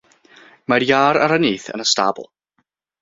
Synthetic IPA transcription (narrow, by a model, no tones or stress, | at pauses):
marjaːɾaɾəniːθə̰nəsta̰b̰lˠ